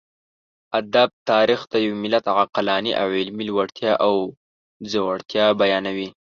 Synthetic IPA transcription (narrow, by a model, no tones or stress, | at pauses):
ad̪ab̚t̪ɑɾixt̪ajawmɪlat̪aɣaqalɑniʔawelmilwaɽt̪jɑʔaw | d͡zawaɽt̪jɑbajɑnawi